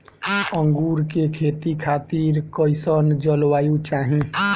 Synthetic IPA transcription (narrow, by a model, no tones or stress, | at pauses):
əŋɡuɾkekʰet̪ikʰaːt̪iɾkəɪsənd͡ʒəlʋaːjũt͡ʃaːɦĩ